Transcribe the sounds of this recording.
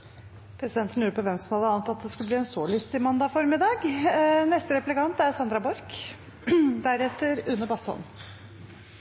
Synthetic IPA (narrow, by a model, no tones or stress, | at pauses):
pʰɾɛsɪd̪ɛnt̪ənəjʉːɾəpɔʋɛmsɔmhɑd̪əɑːnət̪ɑt̪̚d̪ɛskʉləbliːɛnsoːlʏst̪ɪmɑnd̪ɑfɔɾmɪd̪ɑːɡnɛst̪əɾɛplɪkɑnt̪æɾsɑnd̪ɾɑbɔɾk | d̪æɾɛt̪ːəɾʉnːəbɑst̪ɔ̰n